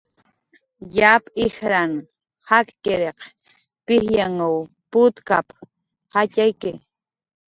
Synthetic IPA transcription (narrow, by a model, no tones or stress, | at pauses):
japɪxɾan | hakkeɾeq | pɪhjaŋaw | pʊt̪ka̰p | hacajkɪ